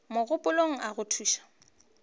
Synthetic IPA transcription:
mʊɣʊpʼʊloŋ̩ʔaɣʊtʰuːʃḁ

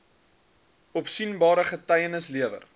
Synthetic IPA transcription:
ɔpsinbɑːɾəχətɐjənəsliəvə̰r

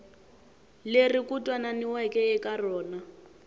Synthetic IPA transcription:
lerikutʼwananiwɛkʼɛɛkarɔːna

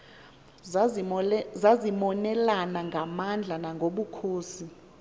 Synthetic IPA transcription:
zazimɔnɛlanaŋɡʱamand͡ɮʱanaŋɡʱoɓukʰoːsi

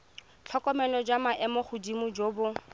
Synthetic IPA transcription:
t͡ɬʰɔkɔmɛlɔd͡ʒamaʔɛmɔχʊdimʊd͡ʒoːbʊ

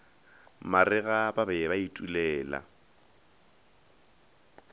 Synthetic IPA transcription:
marɪɣababɛbaitʼulɛːla̰

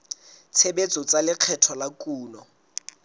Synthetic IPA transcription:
t͡sʰebet͡sʼɔt͡sʼalɪq͡χʰɛtʰɔlakʼuːnɔ

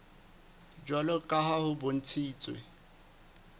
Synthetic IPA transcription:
d͡ʒwalɔkʼaɦahʊbʊn̩t͡sʰiːt͡sʼwḛ

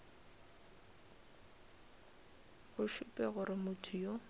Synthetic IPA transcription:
ɣʊʃʊpʼɛɣʊɾɪmʊtʰʊjo

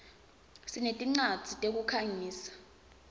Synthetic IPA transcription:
sinetʼiŋ͡ǀad̥z̥ʱitʼek̬ʼukʰaŋiːsḁ

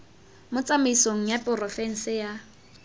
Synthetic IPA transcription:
mʊt͡sʼamɪisoŋ̩japʼʊrɔfɛn̩sɪja

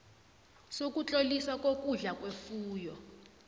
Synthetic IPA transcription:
sok̬ʼut͡ɬʼoliswak̬ʼok̬ʼuɮak̬ʼwefuːjɔ

